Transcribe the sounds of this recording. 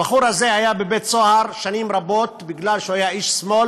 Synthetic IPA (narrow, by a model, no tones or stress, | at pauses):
baχuɾhazehajabebet̪t͡sohaɾʃanimɾabo̞t̪biɡlalʃehajaiʃsmo̞l